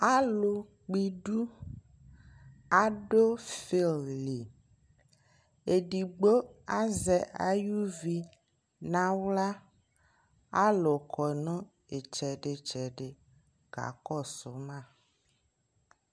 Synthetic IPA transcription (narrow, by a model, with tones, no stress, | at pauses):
a˦lo˨ | k͡pi˨ɖu˦ | a˨ɖo˦fe˨lli˨ | e˨ɖi˨ɡ͡bo˦a˦zɛ˨ʔa̰˨ju˦vi˨ | nã˦wla˦ | a˦lo˨kʰɔ˨nɔ̃˦ | e˨t͡ʃɛ˨ɖe˨t͡ʃɛ˨ɖe˨ | ɡ̥a̰˨kɔ˦˨so˨mã˦˨